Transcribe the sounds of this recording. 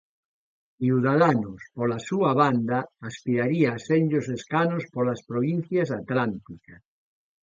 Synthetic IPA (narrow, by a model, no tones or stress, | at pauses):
iuðaðanospolasuaβand̪aːspiɾaɾiaːsenʲʎoseskanospolaspɾoβ̞in̟θjasat̪lant̪ikas